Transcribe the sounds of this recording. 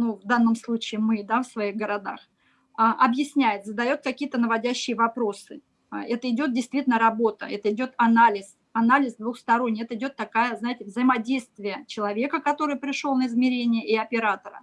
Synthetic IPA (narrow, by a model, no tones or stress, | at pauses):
nuvd̪an̪ːəmslˠut͡ɕɪːmɨd̪afsvɐiɣɡəɾɐd̪a̰x | aʔɐbjɪsʲnʲæjɪt̪zəd̪ɐjo̞t̪̚kɐkʲijət̪ənəvɐdʲæɕːɪjɪvɐpɾo̞sɨ | ɛt̪əɪdʲo̞t̪dʲɪjst̪vʲitʲɪlʲnəɾɐbo̞t̪ə̰ɛt̪əɪdʲo̞t̪ɐnalʲɪs | ɐnalʲɪzd̪vuxst̪ɐɾo̞nʲːɪjɛt̪əɪdʲo̞t̪ːɐkajəznajɪtʲɪvzəɪmɐdʲejst̪vʲɪjət͡ɕɪlˠɐvʲe̞kəkɐt̪o̞ɾɨjpɾʲɪʂo̞lˠnəɪzmʲɪɾʲenʲɪjəʔɪɐpʲɪɾat̪əɾə̰